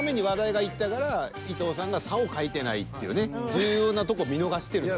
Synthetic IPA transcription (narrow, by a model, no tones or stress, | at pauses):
me̞ɲ̟iβad̪aiɡait̪ːakaɾa | it̪o̞ːsãŋɡasao̞kait̪e̞na̰ḭt̪ːe̞jɯ̟ne̞d͡ʑɨːjo̞ːnat̪o̞koːmʲino̞ɡaɕi̥t̪e̞ɾɯ̟